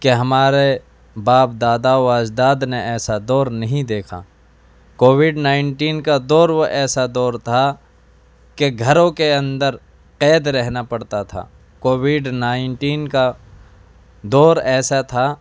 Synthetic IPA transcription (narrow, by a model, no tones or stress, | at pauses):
keɦɐmaːɾe | baːp̚d̪aːd̪aoaːd͡ʒd̪aːd̪neɛːsad̪ɔːɾnɐɦĩd̪eːkʰa̰ | koːwɪɖnaːɪnʈiːnkad̪ɔːɾʋoʔɛːsad̪ɔːɾt̪ʰa | keɡʱɐɾõkeɐ̃nd̪əɾ | qɛːd̪ɾɛɦnapɐɽt̪at̪ʰa̰ː | koːwɪɖnaːɪɳʈiːnka | d̪ɔːɾɛːsat̪ʰa